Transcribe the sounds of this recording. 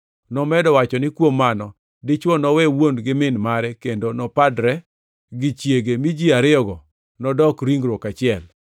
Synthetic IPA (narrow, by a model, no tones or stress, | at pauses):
nɔmɛdɔwat͡ʃɔnɪkwomːanɔ | dɪt͡ʃwɔnɔwɛwonɡɪmɪnmaɾɛkendonɔpadɾɛ | ɡɪt͡ʃjeɡemid͡ʒiaɾɪɔɡɔ | nɔdɔkɾiŋɡɾokat͡ʃɪɛl